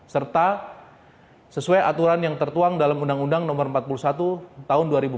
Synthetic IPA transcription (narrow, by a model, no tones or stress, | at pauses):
sərt̪a | səsuajat̪uɾanjaŋt̪ərt̪uaŋdalamundaŋundaŋnɔmərmpat̪̚pulusat̪ut̪aʊnduaɾibu